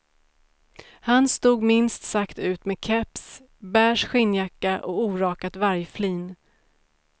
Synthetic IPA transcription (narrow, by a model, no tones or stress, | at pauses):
hanst̪uːɡmɪnst̪sakt̪ʉ̟ːt̪mɛkʰɛps | bæːʂɧɪnːjakːaʔɔuːɾɑːkat̪vaɾjfliːn